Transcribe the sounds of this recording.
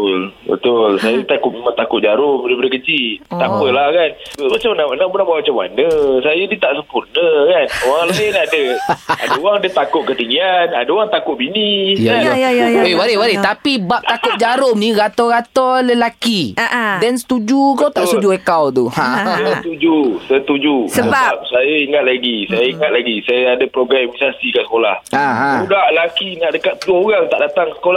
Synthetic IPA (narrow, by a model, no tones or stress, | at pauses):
lbə̰t̪ʊlsajat̪akʊʔ̪̚mimənt̪akʊt̪ʔ̚d͡ʒaɾʊmbɾepədəkət͡ʃit̪apəlahkanbmat͡ʃamanamanəbunabwamat͡ʃama̰nəsajənit̪aʔsəmpurnəkanoɣaŋləinadəa̰dəoɣaŋdiət̪akʊʔ̪̚kət̪iŋɡianadəoɣaŋt̪akʊʔ̚binijajajewaɾɪhwaɾɪht̪apibap̚t̪akʊt̪̚d͡ʒaɾʊmnĩɣat̪ɔɣat̪ɔləlakiaʔdɛnsə̥t̪ud͡ʒukawt̪aʔst̪ud͡ʒuekawt̪uhat̪ud͡ʒusət̪ud͡ʒusəsbap̚sajaiŋat̪̚laɡisajaiŋat̪̚laɡisajaadəpɾoɡɾamisasikaʔsə̥kola̰haɦãudaləlakinaʔdəkat̪̚pəluaoɣaŋt̪aʔdat̪aŋsə̥kola